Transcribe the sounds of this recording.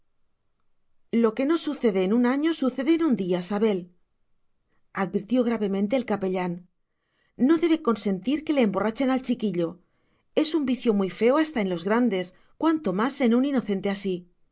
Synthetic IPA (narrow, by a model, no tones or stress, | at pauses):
lo̞ke̞no̞suθe̞ð̞e̞ːnunaɲo̞suθe̞ð̞e̞ːnund̪iasaβe̞l | aðβiɾt̪jo̞ɣ̞ɾaβe̞mẽnt̪e̞ːlkape̞ʎanː | o̞ðe̞βe̞ko̞nse̞nt̪iɾke̞le̞ːmbo̞rat͡ʃe̞nalt͡ʃikiʎo̞ | e̞sumbiθjo̞mujfe̞oast̪aenlo̞zɣɾand̪e̞s | kwant̪o̞mase̞nunino̞θe̞nt̪e̞asi